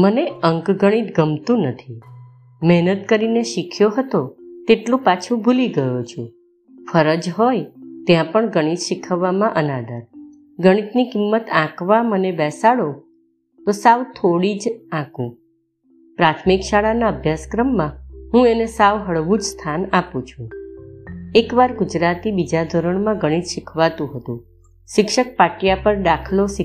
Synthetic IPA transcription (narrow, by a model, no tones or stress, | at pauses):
məneəŋkɡəɽ̃it̪ɡəmt̪ũnət̪ʰi | mɛɦnət̪kəɾineʃikʰjoɦət̪ot̪eʈlũpat͡ʃʰũbʱuliɡəjot͡ʃʰũ | fəɾəd͡ʒɦojt̪jãpəɳɡəɽ̃it̪ʃikʰəʋːamãʔənad̪əɾ | ɡəɽ̃it̪nikimːət̪ãkʋamənebɛsaɽo | t̪osaʋt̪ʰoɽid͡ʒãkṵ̃ | pɾat̪ʰmikʃaɭanaəbʱjaskɾəmːãɦũenesaʋɦəɭʋũd͡ʒst̪ʰanapũt͡ʃʰũ | ekʋaɾɡʊd͡ʒɾat̪ibid͡ʒad̪ʱoɾəɳmãɡəɽ̃it̪ʃɪkʰʋat̪ũɦət̪ṵ̃ | ʃɪkʃək̚paʈjapəɾɖakʰloʃɪ